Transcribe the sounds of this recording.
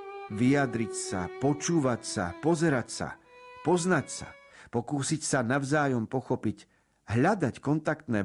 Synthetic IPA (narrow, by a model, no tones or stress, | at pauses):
ʋijad̪ɾicsa̰pɔt͡ʃuːʋacsa̰pɔzɛɾacsa̰pɔznacsa̰pɔkuːsicsanaʋʊzaːjɔmpɔxɔpic | ɦʎad̪ackɔnt̪akt̪nɛː